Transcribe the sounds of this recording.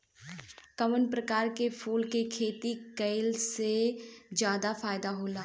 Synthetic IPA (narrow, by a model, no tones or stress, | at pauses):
kəmənpɾəkaːɾkepʰuːlkekʰeːt̪ikəɪlsed͡ʒjaːd̪afaːjɪd̪aɦoːlaː